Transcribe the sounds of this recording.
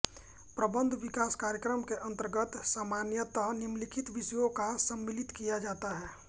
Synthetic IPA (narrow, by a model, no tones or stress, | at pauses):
pɾəbə̃nd̪ʱʋɪkaːskaːɾjəkɾəmkeʔə̃nt̪əɾɡət̪saːmaːnjət̪əɦnɪmlɪkʰɪt̪ʋɪsəjõkasəmːɪlɪt̪kijad͡ʒaːt̪aɦɛː